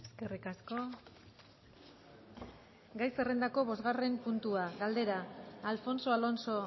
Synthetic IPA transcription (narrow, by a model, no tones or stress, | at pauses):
eske̞rikasko̞ | ɡajse̞re̞nd̪ako̞βo̞zɣare̞mpunt̪uaɣald̪e̞ɾaːlfo̞nso̞alo̞nso̞